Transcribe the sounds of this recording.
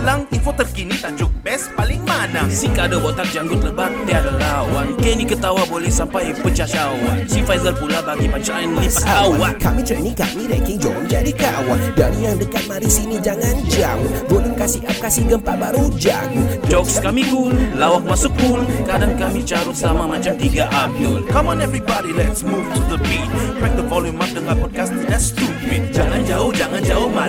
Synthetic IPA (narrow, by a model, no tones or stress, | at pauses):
laŋinfot̪ərkinit̪ad͡ʒʊk̚bɛspalɪŋmanasiŋkadabot̪ak̚d͡ʒaŋɡʊt̪̚ləbad̪iadalawankɛnikət̪awabolɛhsampajpət͡ʃat͡ʃawa̰nsifajzəlpulabaɡipat͡ʃainlipaawakamit̪ɾenɪŋka̰miɾɛ̰ŋkɪŋd͡ʒɔ̰md͡ʒadikawa̰ndaɾijaŋdəkat̪̚maɾisinid͡ʒaŋand͡ʒamvolimkasihap̚kasɪhɡəmpat̪̚baɾud͡ʒa̰ŋd͡ʒɔkskamiɡunlawakmasuk̚ulkadaŋkamit͡ʃaɾuslamamat͡ʃamt̪iɡaʔap̚dolkamɔ̃nɛvɹibɔɾilɛtsmuvtʰuðəpid̚pɛk̚d̪əvɔlũmak̚dəŋan̚pɔd̚kast̪idast̪udim̚d͡ʒaŋand͡ʒaʊhd͡ʒaŋand͡ʒaʊhma